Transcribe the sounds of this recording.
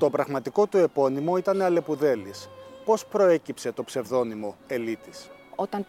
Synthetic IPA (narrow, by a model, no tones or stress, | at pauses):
t̪o̞pɾɐɣmɐt̪iko̞t̪ue̞po̞nimo̞it̪ɐneɐle̞puðe̞lispo̞spɾo̞e̞cipse̞t̪o̞pse̞vðo̞nimo̞e̞lit̪isot̪ɐn